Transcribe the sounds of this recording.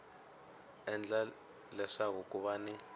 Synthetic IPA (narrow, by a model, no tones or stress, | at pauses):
ɛnd͡ɮa | lɛʂakuk̬ʼuɓaːni